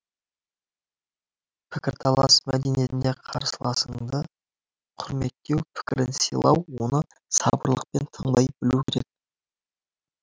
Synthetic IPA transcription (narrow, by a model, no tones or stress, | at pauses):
pʰɪkʲɪɾt̪ʰɑlˠɑsmæd̪enije̞t̪ɪnd̪e̞qʰɑ̰ɾsəlˠɑsəɴd̪ə | qʰʊɾme̞t̪ːe̞wpʰɪ̥kʲɪɾɪnsijlˠɑwːo̞nə | sɑbəɾlˠəq̚pe̞nt̪ʰəɴd̪ɑjbɪlukʲʰeɾe̞k̪̚